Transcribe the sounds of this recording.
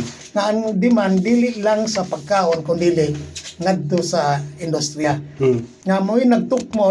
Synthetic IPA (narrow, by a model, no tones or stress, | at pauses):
ŋaʔand̪imand̪ilɪʔlaŋsapaɡ̚kaonkʊnd̪iːlɪʔŋad̪ːʊsaɪnd̪ʊst̪ɾia | ŋamuɪnaɡ̚t̪ʊk̚mo